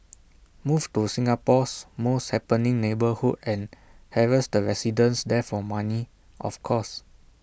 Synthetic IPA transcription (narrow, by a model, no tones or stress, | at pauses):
muvtusĩŋapɔsmoshɛpə̃nĩŋnebəhudɛ̃nhɛvəsdəɹɛsidə̃nsdɛfɔmani | ʔɔ̰fkʰɔs